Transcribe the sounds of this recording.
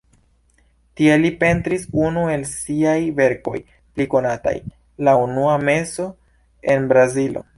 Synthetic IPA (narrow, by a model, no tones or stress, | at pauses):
tielipe̞ntɾisunue̞lsiajve̞ɾko̞̰j | pliko̞nata̰j | launuame̞so̞ | e̞nbɾazilo̞̰